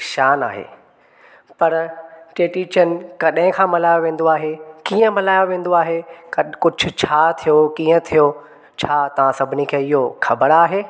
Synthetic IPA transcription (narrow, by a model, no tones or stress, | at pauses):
ʃaːna̰ːɦḛː | pɐɾʈeːʈiːt͡ɕən̆kɐɗɦɪ̃kʰãːmɐlaːjoʋẽːn̆d̪oaːɦekiːə̃mɐlaːjoʋẽːn̆d̪oaːɦekɐkʊd͡ʑʱʊ̆t͡ɕʰaːt̪ʰijokiːə̃t̪ʰijo | t͡ɕʰaːt̪ɐʋãsɐbʱɪnikʰeːɪɦoxʰɐbəɽaːɦeː